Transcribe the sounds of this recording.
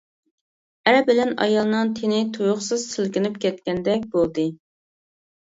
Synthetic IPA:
æɾbɪlɛnɑ̰jɑlˠnɨŋt̪ʰenɪt̪ʰujʊχsɨz̥sɪlkʲɪnypkʲɛt̪kʲɛnd̪ɛk̚ʲbolˠd̪ɨ

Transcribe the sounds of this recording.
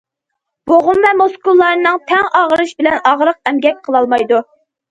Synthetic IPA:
b̥oʁʊmvɛmoskulˠːɑɾnɨŋt̪ʰɛŋɑʁəɾɨʃbɪlɛnɑʁɾəq̚ɛmɡʲɛk̚ʲqʰəlˠɑlˠmɑjd̪u

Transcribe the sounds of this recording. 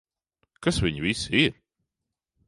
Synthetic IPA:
kasviɲvisiɾ

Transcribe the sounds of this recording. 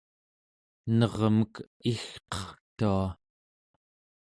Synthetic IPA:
nʌʁmək | ixqʌ̥χt̪ua

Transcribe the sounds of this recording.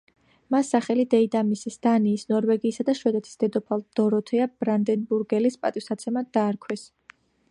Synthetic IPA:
masːaχɛlid̪ɛid̪amisisd̪̥aniːsnɔɾvɛɡiːsad̪aʃwɛd̪ɛt̪ʰi̥sd̪ɛd̪ɔpʰalˠd̪̥ɔɾɔt̪ʰɛabɾand̪ɛnbuɾɡɛlispʼat̪ʼiwsat̪sʰɛmad̪d̪aːɾkʰwɛs

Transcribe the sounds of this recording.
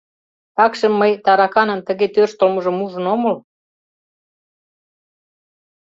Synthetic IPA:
tɑkʃə̆mːəjt̪ɑɾɑkɑnə̆nt̪ə̆ɣet̪ørʃt̪əlmɤ̆ʒə̆muʒə̆nomɤ̆l

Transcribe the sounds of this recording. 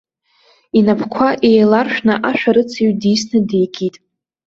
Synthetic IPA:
inapʰkʷʰaʔejlarʃᶣnaʔaʃᶣaɾɨt͡sʰiɥdisnɨde̞jɡʲʼitʼ

